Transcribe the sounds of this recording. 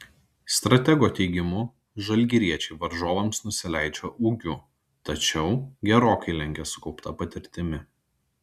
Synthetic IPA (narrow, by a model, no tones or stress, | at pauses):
st̪ɾɐt̪ʲɛɡoːt̪ʲɛɪɡʲɪmʊ | ʒɐlʲɡʲɪɾʲiɛt͡ʃʲɛɪʋɐɾʒoːʋɐmsnʊsʲɪlʲæˑɪt͡ʃʲoːʔuːɡʲʊ | t̪ɐt͡ʃʲɛʊɡʲɛɾoːkɐɪlʲɛŋʲɡʲɛsʊ̥kɒʊpt̪ɐpɐt̪ʲɪɾʲt̪ʲɪmʲɪ